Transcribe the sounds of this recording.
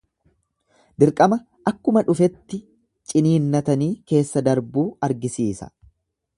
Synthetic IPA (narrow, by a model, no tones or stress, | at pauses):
d̪ɪɾkʼɐmɐ | ɐkːʊmɐᶑʊfɛt̪ːɪ | t͡ʃʼɪniːnːɐt̪ɐniːke̞ːsːɐd̪ɐɾbuːɐɾɡɪsiːsɐ̥̰